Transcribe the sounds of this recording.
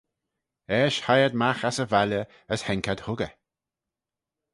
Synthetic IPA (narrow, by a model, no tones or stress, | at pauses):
ɛːʃhajəd̪̚maxasəvalə | əshɛŋkad̪hʊɡə̰